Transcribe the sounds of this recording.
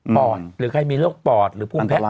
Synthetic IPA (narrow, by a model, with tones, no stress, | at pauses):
pɔː˨˩t̪̚ɾɯː˩˦˥kʰa˧jmiː˧ɾɯ˥˩ək̚pɔː˨˩t̪̚ɾɯː˩˦pʰu˧˩mpʰɛ˦˧